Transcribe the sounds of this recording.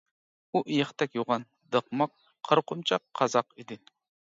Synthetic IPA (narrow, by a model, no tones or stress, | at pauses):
uʔijəχt̪ʰɛkʲjoʁɑn | d̪əqmɑqʰ | ɑɾqʰʊmt͡ʃʰɑqʰːɑzɑqid̪ɪ